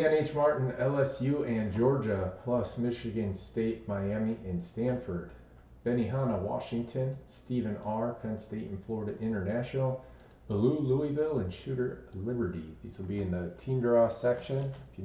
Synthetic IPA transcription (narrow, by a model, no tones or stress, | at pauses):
ɛ̃neɪt͡ʃmɑɹʔn̩ɛlˠɛsjʉɨ̃nd͡ʒɔɹd͡ʒɨpʰl̥ʌsmɪʃɨɡɨ̃nsteɪt̚maɪæmiʔɨ̃nstæ̃nfə˞d̚ | b̥ɛniɦɑnəwɑ̰ʃɪ̃ŋtʰɨ̃nstivɨ̃nɑɹpʰɛ̃nsteɪʔn̩flɔɹɾɨʔɪ̃ɾ̃ə˞næʃnl̩ˠ | b̥əluluivɪlˠɨ̃nʃʉɾə˞lɪbə˞ɾḭðizl̩ˠbiɨ̃nðɨtʰĩmdɹɔsɛkʃɨ̃nɪfɨ